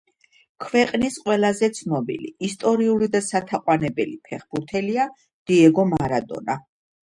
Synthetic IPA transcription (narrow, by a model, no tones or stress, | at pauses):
kʰvɛqʼnisqʼwɛlˠazɛt̪sʰnɔbḭlḭːst̪ʼɔɾiulid̪asat̪ʰaqʼwanɛbɛlipʰɛχb̥uɾt̪ʰɛlia | d̪̥iɛɡɔmaɾad̪ɔ̰na